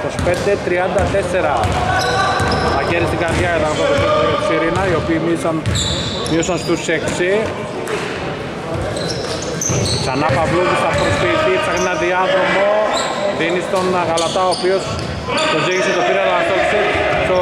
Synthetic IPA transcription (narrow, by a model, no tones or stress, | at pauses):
t̪ospe̞nd̪et̪ɾiɐnd̪ɐt̪e̞se̞ɾɐ | mɐceɾist̪iŋɡɐɾðʝɐet̪ɐnkot̪osoosiɾinɐio̞piːmisɐn | miosɐnst̪useksi | ksɐnɐpɐvluðisɐpost̪it̪ipsɐxenɐðiɐto̞mo | ðinist̪o̞nɣɐlɐt̪ɐoːpio̞s | t̪oziʝiset̪osiɾinɐlt̪olsiso